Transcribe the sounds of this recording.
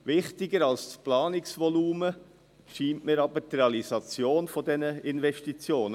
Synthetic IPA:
ʋɪχtɪɡəɾɑlssplɑːnɪksʋɔluːmə | ʃiːntmɪɾɑbəɾtrɛɑlizɑt͡sjoːnfɔdɛnəɪnvɛʃtit͡sjoːnə

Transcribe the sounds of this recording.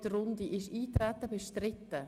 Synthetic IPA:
dəɾʊnd̪iʔɪʃiːtɾɛt̪əbeʃtɾɪtt̪ːə

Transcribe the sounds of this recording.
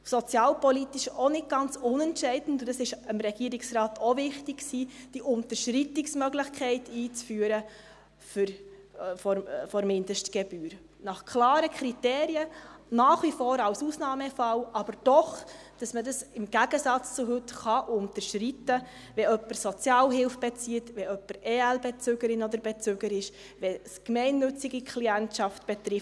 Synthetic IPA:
sɔt͡sjɑːlpɔlit̪ɪʃonɪt̚ɡ̥ɑnt͡sʊnɛntʃɛɪdən̩tʊd̥ɑsɪʃəmɾɛɡ̥iːəɾɪksɾɑːtʰovɪχtɪkksiːd̥iʔʊntəɾʃɾitɪksmœɡləχkʰɛɪtiːt͡sfyːəɾə | fɾ | fɔfɔɾmɪndəʃtɡ̥ɛb̥yːɾ | nɑχkʰlɑːɾəkʰɾiteːɾiənɑːχʋifɔːɾɑwsusnɑːmɛfɑlɑb̥əɾd̥ɔχ | d̥ɑsmədɑsɪmɡ̥æɡ̥əsɑt͡st͡suɦɵtχɑʔʊntəʃritə | ʋɛœpəɾsɔt͡sjɑːlɦɪlfb̥ɛt͡siətʋɛœpːəɾɛælbɛt͡sʏɡəɾɪnɔd̪əɾbɛt͡søɡəɾɪʃ | ʋɛskmɛɪnːɵt͡siɡikʰliæntʃɑftb̥ɛtɾɪf

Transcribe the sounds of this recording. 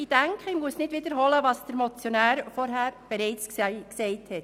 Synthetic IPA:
id̥æŋkʰəɪmuəsnɪdʋɪdəɾɦɔləʋɑsd̥əɾmɔt͡sjɔnæːɾfɔɾɦæːɾb̥ɛɾɛɪt͡sksksɛɪthɛt

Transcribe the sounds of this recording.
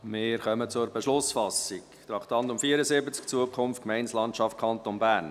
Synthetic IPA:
mɪɾχœmət͡sʊɾbɛʃlʊsfɑsikt̪ɾɑχtɑntʊmfiːəɾəzɪbət͡sk̚t͡suəkʰχʊmftkmɛɪnslɑntʃɑft̚kʰɑnt̪onbæːɾn

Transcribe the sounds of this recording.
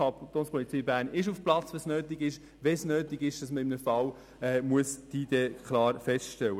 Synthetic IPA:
ɑtoːnspʰɔlit͡siːbæːɾnɪʃufplɑt͡sʋɛsnøːtiɡɪʃ | ʋɛsnøːtɪɡɪʃd̥ɑsməɪmnəfɑw | ɛːmuəsd̥iːd̥ɛkʰlɑːɾfɛstʃtɛlə

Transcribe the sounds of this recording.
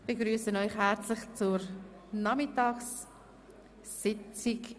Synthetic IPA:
b̥eɡɾyːsənɔʏχɦɛɾt͡slɪχt͡sʊɾ | nɑmɪtɑːks | ɪt͡sɪk

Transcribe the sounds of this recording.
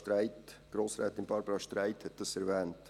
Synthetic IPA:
tɾaɪtɡ̥ɾoːsɾɛːt̪ɪnb̥ɑɾbəɾɑʃtɾaɪthɛt̚d̥ɑsɛɾvɛːnt

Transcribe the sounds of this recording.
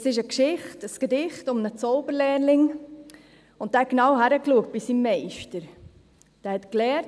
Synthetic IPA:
sɪʃəkʃɪχtəsɡ̥ədɪχtʊmnət͡sɔʊbəɾlɛːɾlɪŋ | ʊnt̚æːknɑwɦæɾəkluək̚t̚b̥isimmɛɪʃtəɾ | d̥æːhɛtklɛː

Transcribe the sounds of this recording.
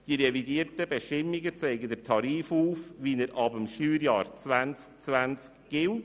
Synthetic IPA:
d̥iɾevidiəɾtəbeʃtɪmːiɡət͡seɪɡədətʰɑɾiːfuːfʋinəɾʔɑbəmʃyːɾjɑːɾt͡svænt͡skt͡sʋænt͡skːɪw

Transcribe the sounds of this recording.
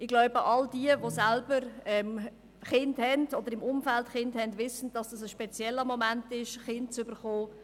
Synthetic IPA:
ɪɡlaʊbəʔɑldiəvosælbəɾɛm | χɪndhɛnd̥ɔd̥̪əɾɪmʊmfæltχɪndhɛndʋɪsən̩d̥ɑsd̥ɑsəʃpɛt͡sjɛlːəmomæntɪʃχɪnt̚t͡sʏbəɾχoː

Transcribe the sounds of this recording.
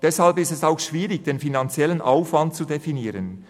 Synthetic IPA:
d̥ɛshalpɪstɛsaʊxʃv̥iːʁɪç̚d̥eːnfinant͡sjɛlənʔaʊfvant̚t͡sudefiniːʁən

